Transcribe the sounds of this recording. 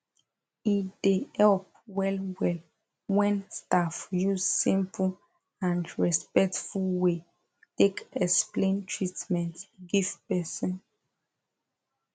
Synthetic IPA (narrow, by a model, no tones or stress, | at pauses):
idehɛlp̚ | wɛlwɛl | wɛ̃nstafjuzsĩmpʰu | ãndɹɛspɛk̚tfulwe | tekɛksplẽntʰɹitmɛ̃ntɡiv̥pɛsɔ̃n